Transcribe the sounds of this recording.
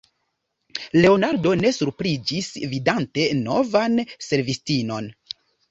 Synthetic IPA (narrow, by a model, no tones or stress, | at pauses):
le̞onaɾdo̞ne̞suɾpɾid͡ʒisvidante̞nːo̞̰vanse̞ɾvistino̞n